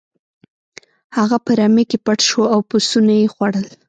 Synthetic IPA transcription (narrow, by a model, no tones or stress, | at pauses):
haɣapəɾamekepaʈʃwoawpusunajexwaɽəl